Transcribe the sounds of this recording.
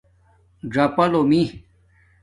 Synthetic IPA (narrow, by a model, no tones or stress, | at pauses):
ɖɐpɐlomĩ